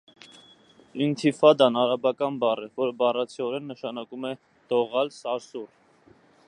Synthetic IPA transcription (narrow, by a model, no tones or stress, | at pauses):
int̪ʰifɑd̪ɑnɑɾɑbɑkɑnbɑrɛvɔɾəbɑrɑt͡sʰiɔɾɛnːəʃɑnɑkumɛ | d̪̥ɔʁɑlsɑɾsur